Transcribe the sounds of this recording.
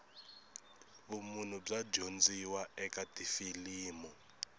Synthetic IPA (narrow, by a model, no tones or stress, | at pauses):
βumun̤ub͡ʐad͡ʒond͡ziwaɛkʼatʼifiliːmɔ